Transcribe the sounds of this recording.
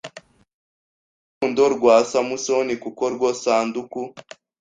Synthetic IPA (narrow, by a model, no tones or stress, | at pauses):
kuːndoɾɡwaːsamuso̞nikukoɾɡwosaːnduku